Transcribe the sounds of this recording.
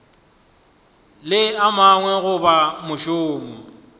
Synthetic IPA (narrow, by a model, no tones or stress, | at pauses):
lɪamaŋwɛɣʊbamʊʃoːmʊ